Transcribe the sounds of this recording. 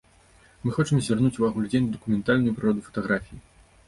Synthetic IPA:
mɨxɔt͡ʂɨmzʲvʲɛrnut͡sʲuvaɣulʲd͡zʲenʲd̪ɐkumʲɛnt̪alʲnujupɾɨɾɔd̪ufɐ̥t̪ɐɣɾafʲiji

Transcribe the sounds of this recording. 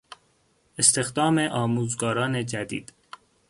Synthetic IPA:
e̞st̪e̞xd̪ɒːme̞ʔɒːmuːzɡɒːɾɒːne̞d͡ʒæd̪ḭːd̪̥

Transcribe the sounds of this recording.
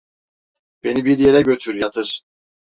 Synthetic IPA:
b̥e̞nibiɾje̞ɾɛɟø̞t̪ʰyɾjat̪ʰɯɾ̥

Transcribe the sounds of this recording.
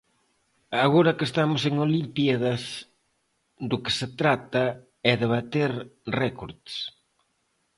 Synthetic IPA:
aɣoɾɐkest̪amʊseŋolimpjaðɐs | d̪ʊkɪ̥set̪ɾat̪ɐ | ɛðeβat̪eɾrɛkoɾðs

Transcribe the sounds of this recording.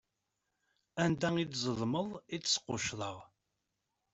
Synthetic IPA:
ænd̪æŋid̪zˤəlməlˤit͡ssə̥qːʊʃlə̰ʁ

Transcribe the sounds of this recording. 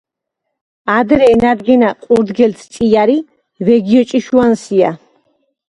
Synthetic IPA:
ad̪ɾɛːnad̪ɡɛnaqʼuɾd̪ɡɛlt̪ʰt̪sʼiaɾi | vɛɡiɔt͡ʃʼiʃuansia̰

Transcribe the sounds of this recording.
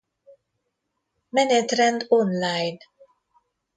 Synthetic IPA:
mɛnet̪ɾɛ̃nd̪ɔnlajn

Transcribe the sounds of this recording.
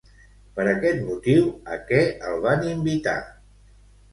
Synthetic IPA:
pəɾəkɛt̪mut̪iwəkɛəlˠβanimbit̪a̰

